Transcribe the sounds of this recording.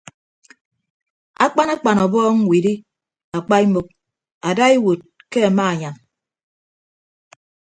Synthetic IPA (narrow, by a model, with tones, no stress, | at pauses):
a̰˦k͡pa˦na˦k͡pa˨nɔ˨bɔː˦ŋ̩˦wi˨di˦ | a˨k͡pa˦i˦mo˨k̚ | a˨da˦i˦wo˨t̚ke˦a˨ma˦a˨ɲa˨n